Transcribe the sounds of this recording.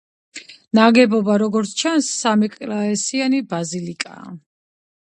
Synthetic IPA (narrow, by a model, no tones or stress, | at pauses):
naɡɛbɔbaɾɔɡɔɾt̪sʰt͡ʃʰansːamɛkʼlaɛsianibazilikʼa̰ː